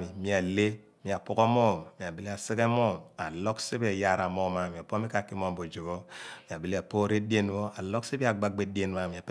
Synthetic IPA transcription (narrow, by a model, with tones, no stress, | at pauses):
mi˨mi˨a˨le˦ | mi˨a˨pu˦ko˦mo˦˨m˨mi˨a˨bi˦li˦a˨si˦ke˦mo˦˨ma˨lo˦kse˦bi˦a˨ja˦˨ɾa˨mo˦ma˨mi˨a˨po˦mi˦ka˦˨ki˦mo˦mbo˨d͡ʒo˨βo˦˨mi˨a˨bi˦li˦a˨po˦ɾe˦de˦n˦wo˦a˨lo˦kse˦bi˦a˨ɡ͡ba˦ɡ͡be˨˦de˦n˦a˦˨mi˨a˨p